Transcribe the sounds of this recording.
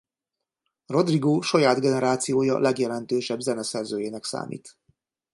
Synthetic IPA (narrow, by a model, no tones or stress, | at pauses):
ro̞d̪riɡoːʃɒjaːd̪ɡɛnɛɾaːt̪sijoːjɒ̰lɛɡjɛlɛnt̪øːʃɛbzɛnɛsɛrzøːjeːnɛksa̰ːmḭːt̪